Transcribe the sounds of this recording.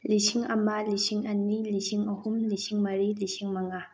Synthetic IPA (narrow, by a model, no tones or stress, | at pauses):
lisiŋɐmalisiŋɐnːiliʃiŋɐhumliʃiŋmɐɾilisiŋmaŋa